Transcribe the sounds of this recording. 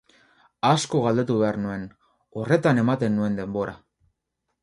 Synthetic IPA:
asko̞ɣald̪e̞t̪uβe̞aɾnue̞n | o̞re̞t̪ane̞mat̪e̞nːue̞nd̪e̞mbo̞ɾʔa

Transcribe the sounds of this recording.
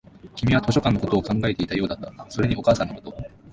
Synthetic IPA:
kʲimʲiβat̪o̞ɕo̞kãnːoko̞t̪o̞ːkãŋɡaet̪e̞it̪ajo̞ːd̪at̪ːaso̞ɾe̞ɲ̟iʔo̞kaːsãnːokot̪o̞

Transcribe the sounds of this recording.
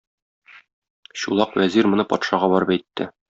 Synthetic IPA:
ɕulˠɑqwæziɾmŏnɤpɒ̰t̪ʃɑʁɑbɒɾɤpæjt̪ːɘ

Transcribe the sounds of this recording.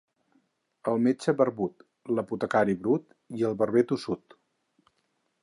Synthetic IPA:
əlˠmed͡ʒəβərβut̪ | ləput̪əkaɾiβɾut̪ | iəlˠβərβɛt̪usut̪

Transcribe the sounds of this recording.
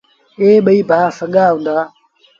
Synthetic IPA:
eːɓəiːbʱaːsəɠaːɦũːnd̪aː

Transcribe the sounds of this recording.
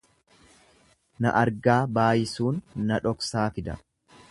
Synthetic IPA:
nɐ̰ʔɐɾɡaːbaːjɪsuːnːɐᶑɔksaːfɪd̪ɐ̰

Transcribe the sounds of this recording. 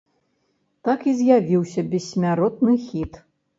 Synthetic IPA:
t̪akizʲjavʲiwsʲɐbʲɛsʲmʲaɾɔt̪̚nɨxʲit̪

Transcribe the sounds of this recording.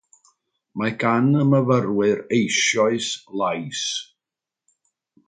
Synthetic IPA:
maɡanəməvərwɨɾejʃjɔɨslˠajs

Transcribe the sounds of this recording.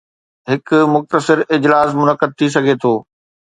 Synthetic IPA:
ɦɪkʊmʊxt̪əsɪɾɪd͡ʑlaːsmʊnəqəd̪̚t̪ʰis̬ɐɡʱet̪ʰoː

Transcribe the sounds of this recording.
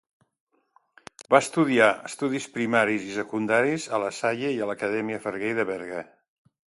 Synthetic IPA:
baəst̪uðiaəst̪uðispɾimaɾizisəkund̪aɾizələsaʎəiələkəðɛmiəfəɾɣejðəβɛɾɣə

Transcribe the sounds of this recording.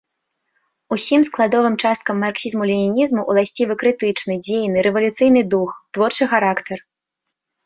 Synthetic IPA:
usʲimsklˠad̪ɔvɨmt͡ʂast̪̚kɐmːarksʲizmulʲinʲinʲizmuʔulˠasʲt͡sʲivɨkɾɨt̪ɨt͡ʂnɨd͡zʲejnɨɾɛvɐlʲut̪sɨjnɨd̪uxt̪vɔrt͡ʂɨxaɾakt̪ɐr

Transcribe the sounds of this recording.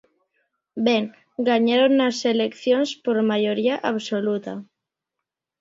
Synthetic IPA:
beŋ | ɡaɲaɾonːaselekθjonspoɾmajoɾiaʔaβsolut̪a

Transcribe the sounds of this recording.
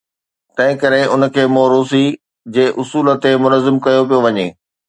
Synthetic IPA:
t̪ɐ̃ɦɪ̃kɐɾeʊn̆kʰeːmoːɾoːs̬i | d͡ʑeːʔʊsuːlə̆t̪emʊnəzːɪmkɐjop̬ijoʋɐɲeː

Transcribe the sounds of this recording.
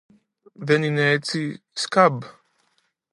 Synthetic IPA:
ʋɛnineːt͡s̪i | skab

